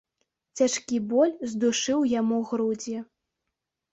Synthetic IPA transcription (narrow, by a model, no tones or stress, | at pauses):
t͡sʲaʂkʲibɔlʲzd̪uʂɨwjamuɣɾud͡zʲjɛ